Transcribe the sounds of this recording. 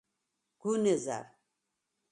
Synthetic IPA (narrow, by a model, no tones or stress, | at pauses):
ɡ̥uneza̰ɾ